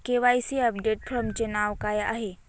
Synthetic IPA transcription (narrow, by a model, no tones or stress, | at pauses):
keʋaːisiɐp̚ɖeːʈfʰɾəmt͡ʃɐnaːʋkaːjʔaɦe